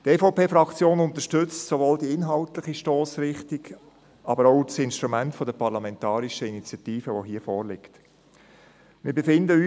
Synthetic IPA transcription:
teːfoʊpeːfɾɑkt͡sjoːnʊnt̪əʃtʏt͡stsovoːldiɪnɦɑltlɪχiʃtɔːsɾɪχtik | ʔɑbəɾoʊsɪnʃt̪ɾumɛntfɔdəpʰɑʁlamɛntɑːɾiʃəinit͡sjɑtiːfəʋoɦiːəfɔːɾlɪkt | mɪːɾbefɪndəyː

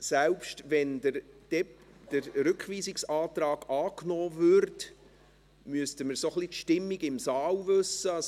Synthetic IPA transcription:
sɛwpʃtʋɛndəɾd̥ɛ | d̥əɾɾʏkχʋiːsɪksɑːt̪ɾɑːɡ̥ɑːknɔːvʏɾt | myəstəməɾsoχlit̪ʃtɪmːiɡɪmsɑːwvøsəɑs

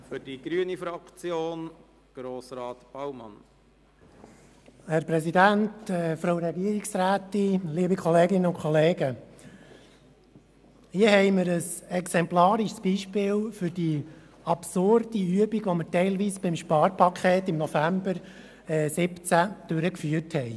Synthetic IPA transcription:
fʏɾd̥iɡ̥ɾyənifɾɑkt͡sjoːn | ɡ̥ɾoːsɾɑːt̪b̥ɑwmɑ̰n | hæɾpɾɛsidæntɛːfɾoʊɾɛɡiəɾiksɾæːt̪iliːbikʰɔleːɡɪnəʊnkχɔleːɡə | hiəhɛɪmɪɾəsɛksɛmplɑːɾɪʃsb̥iʃpɪːlfʏɾd̥i | ɑpsʊɾd̥iyəbiɡʋɔməɾtɛɪlʋiːsb̥ɪmʃpɑːɾpʰɑkʰχeːt̪ɪmnɔfæmbəɾ | ɛːsɪpt͡sæd̪̥øɾəkfyːəthɛɪ

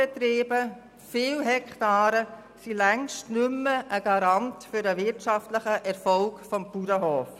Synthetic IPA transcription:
ɛt̪ɾiːbə | fɪːlɦɛktɑːɾə | silɛŋʃtnʉmːəʔəɡ̥ɑɾɑntfʏɾəʋɪtʃɑftləχəʔɛɾfɔlkfɔmpuɾəɦoːf

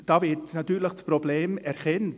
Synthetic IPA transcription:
d̥ɑːvɪtnatyːləχsprobleːmɛɾkɛnt

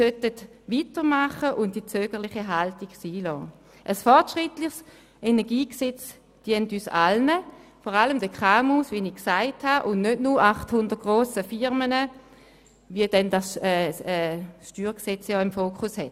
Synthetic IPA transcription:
sœtətvitəmaχəʔʊntd̥it͡søːɡ̥əʁlɪχiɦaltiɡsiːlɔː | ʔəsfɔʁtʃʁɪtlɪχs | enɛɐɡiːksɛt͡s | d̥iəntyːsa̰lnəfɔʁaləmdəkχaːmusviniksaɪthaʔʊnnødnuaχthʊndət̚ɡ̥ʁoːsəfɪʁmənə | viədɛndasɛːɛːʃtyːʁksɛt͡sjɔːɪmfoːkʰʊshɛt

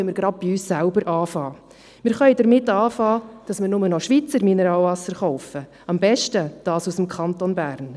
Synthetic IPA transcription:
mɪɾɡɾɑd̥̚b̥iyːssælbəɾʔɑːfɑː | mɪːɾχœɪdəɾmɪtːɑːfɑːd̥ɑsmɪɾnʊmənɔʃʋit͡səɾminəɾɑːlvɑsːəɾχɔʊfə | ɑmbɛʃtəd̥ɑːsusəmkʰɑntonbæːɾn

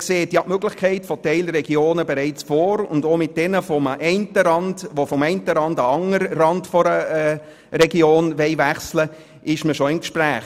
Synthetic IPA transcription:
kseːtjɑʔmøɡ̥lɪχkʰɛɪtfɔtɛɪlɾɛɡjoːnəbɛɾɛɪt͡sfoːɾʊ̰ndoːmɪt̚d̥ɛnəfɔmʔɛɪntəɾɑndʋofɔmɛɪntəɾɑndɑɑŋəɾrɑndfɔɾəɛ | rɛɡioːnʋɛɪʋæχslə | ʔɪʃməʃɔɪmkʃpɾæːχ

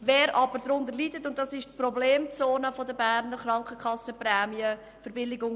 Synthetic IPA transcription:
vɛːɾʔɑbəɾdɾʊndəɾlidətʊnt̚dɑsɪʃtprɔbleːmt͡soːnəfɔdəbæːɾnəɾχɾɑŋkəkʰχɑsːəprɛːmiə | fəɾbɪlɪɡʊŋ

